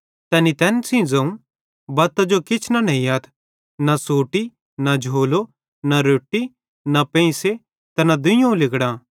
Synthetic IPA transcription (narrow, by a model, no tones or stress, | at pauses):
t̪ɛːnit̪ɛːnsĩd͡zɐũ | bɐːt̪ad͡ʒokɪt͡ʃʰnanɐɦĩaːt̪ʰ | nasoːʈi | nad͡ʒʱoːlo | naɾoːʈːi | napẽĩse | t̪ɐnad̪ʊ̃jõũlɪkɽãː